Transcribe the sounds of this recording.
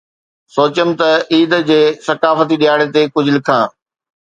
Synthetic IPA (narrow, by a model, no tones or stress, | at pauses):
soːt͡ɕəmɪ̆t̪ɐiːd̪d͡ʑeːsɐkaːfət̪iɗijaːɽet̪eːkʊd͡ʑʱɪlɪkʰãː